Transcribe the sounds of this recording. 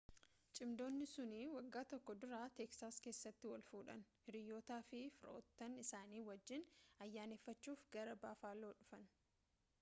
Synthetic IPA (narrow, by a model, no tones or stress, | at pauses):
t͡ʃʼɪmd̪o̞ːnːɪsʊniwɐɡːaːt̪ɔkːɔd̪ʊɾaːt̪eksaːske̞ːsːɐt̪ːɪwɐlfuːᶑɐ̰nhɪɾɪjːoːt̪aːfɪfɪɾʔo̞ːt̪ːɐnɪsaːniːwɐd͡ʒːɪnɐjːaːneːfːɐt͡ʃːuːfɡɐɾɐbaːfaːloːᶑʊfɐn